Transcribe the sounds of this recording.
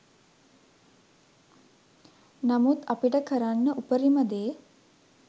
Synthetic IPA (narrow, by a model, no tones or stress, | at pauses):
namut̪apiʈəkʰəɾanːəʔupəɾiməd̪eː